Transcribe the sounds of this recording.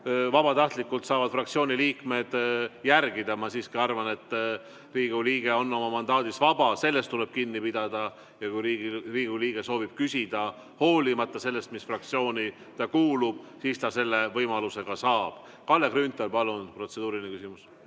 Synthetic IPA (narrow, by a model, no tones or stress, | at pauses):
vɑbɑt̪ɑht̪likːˑult̪sɑːvɑd̪frɑkt̪sio̞ːniliːkme̞d̪̥jærɡid̪ɑmɑsiːskiɑrvɑne̞t̪ːˑ | riːɡuliːɡ̥e̞o̞nːo̞mɑmɑnd̪ɑːd̪isvɑbɑse̞lːe̞st̪ule̞b̥̚kinːipid̪̥ɑd̪̥ɑ | jɑkujiɡriːɡuliːɡ̥e̞so̞ːvib̥̚kysʲid̪ɑ | ho̞ːlimɑt̪ˑːɑse̞lːe̞st̪misfrɑk̚t̪sio̞ːnʲi | t̪ɑkuːlub̥siːst̪ɑse̞lːe̞vɤjmɑluse̞ɡ̥ɑsɑːb̥ | kɑlːekrynt̪ːˑelpɑlunpro̞t̪se̞d̪uːɾilinekysimus